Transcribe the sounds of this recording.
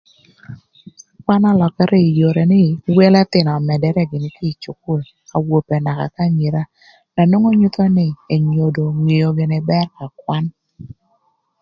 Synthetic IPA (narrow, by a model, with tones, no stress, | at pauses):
kwa˦na˦lɔ˨ka˦ɾʔɛ˦i˨jo˨ɾe˨nɪ˦˨we˦la˦t̪ɪ˨nɔ˨mɛ˨dɛ˨ɾɛ˦ɡɪ˨nɪ˨ki˦˨t͡ʃu˨ku˦˨l | a̰˨wo˨pɛ˨na˨ka̰˨ka˦ɲi˨ɾa˦ | na˨no˦ŋo˦ɲu˦t̪ɔ˦nɪ˦e˨ɲo˨do˨ŋi˨jo˨ɡe˨nɛ˨bɛ˦rka˨k̚wa˦n